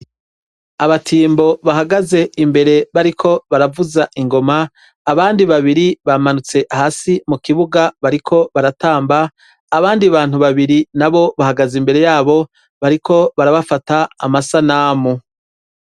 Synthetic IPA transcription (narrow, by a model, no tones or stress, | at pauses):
aβatʰiːmbo̞βaɦaɡaze̞imbe̞ɾe̞βaɾikʰo̞βaɾavuzaʔiŋɡo̞maː | βaːndiβaβiɾiβamanut͡se̞ʔhaːsimukiβuɡaβaɾikʰo̞βaɾataːmbaː | βaːndiβaːn̥huβaβiɾinaβo̞βahaɡazimbe̞ɾe̞jaːβo̞ | βaɾikʰo̞βaɾaβafataːmasanaːmu